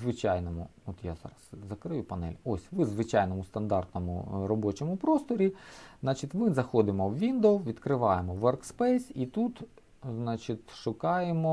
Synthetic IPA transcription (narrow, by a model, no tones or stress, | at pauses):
zʋɪt͡ʃɑjnɔmʊɔt̪jazɑ̰ɾɐszɐkɾɪjupɐnɛ̰lʲɔsʲʋɪzʋɪt͡ʃɑjnɔmʊst̪ɐnd̪ɑrt̪nɔmʊ̰ɾɔbɔt͡ʃɔmʊpɾɔst̪ɔɾʲiznɑt͡ʃit̪ʲmɪzɐxɔd̪ɪmɔwʋʲind̪owʋʲid̪kɾɪʋɑjemɔʋɔrkspɛjsʲit̪ut̪ | znɑt͡ʃit̪ʲʃʊkɑjemɔ